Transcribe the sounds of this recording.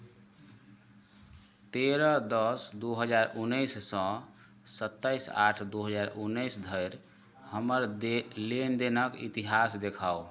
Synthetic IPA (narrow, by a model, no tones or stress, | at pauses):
t̪eɾəd̪əsd̪uɦəd͡ʒaɾunːəjsːə̃ | sət̪ːəjsa̰ʈʰd̪uɦəd͡ʒaɾunːəjsd̪ʱəjɾ | həməɾlend̪enəkḭt̪iɦasd̪ekʰao